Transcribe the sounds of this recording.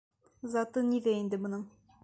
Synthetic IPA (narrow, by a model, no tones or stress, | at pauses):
zɑt̪ɤniðæind̪ɘbŏnɤɴ